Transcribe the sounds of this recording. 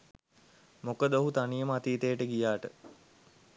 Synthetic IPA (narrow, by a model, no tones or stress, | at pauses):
mokəd̪oɦut̪anijəməat̪iːt̪ejəʈəɡijaːʈə